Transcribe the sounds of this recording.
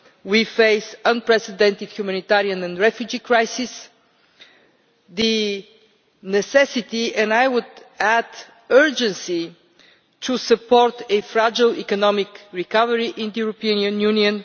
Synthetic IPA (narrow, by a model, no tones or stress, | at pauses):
wifeɪsə̃npɹɛsɪd̪ɛ̃nt̪ɪd̪̥hjumanit̪ɛɾiə̃nɛ̃nɹɛfjud͡ʒikɹajsis | ðɨ | nɛsɛsɪt̪iɛ̃najwʊd̪æd̪ | ɜ˞d͡ʒə̃nsi | t̪ʰusəpʰɔɾt̪ɨfɾad͡ʒəlˠḭkɔnɔmɪkɹikʌvəɹiʔɪ̃nd̪əjuɾɔpiə̃nə̃njuniə̃n